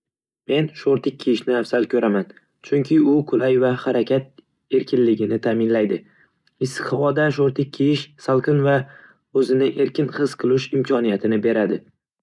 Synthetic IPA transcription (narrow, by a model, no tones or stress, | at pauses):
me̞nʃoɾt̪ɪk̚ʲʰːijɪʃnɪafsalkʲʰɵɾʔaman | t͡ʃʰʊŋkʲʰɪʊqʰʊlajvahaɾakʲʰat̪̚ | e̞ɾkʲɪnlɪɡʲɪnɪt̪ʰaːmɪnlajd̪ɪ | ɪst̪ɪχvɒd̪aʃoɾt̪ʰɪk̚ʲʰːijɪʃsalˠqʰɨnva | ɵzɪnɪʔe̞ɾkʲɪnχɨz̥qʰɨlˠʊʃɪmkʲʰɒnijat̪ʰɪnɪbe̞ɾad̪ɪ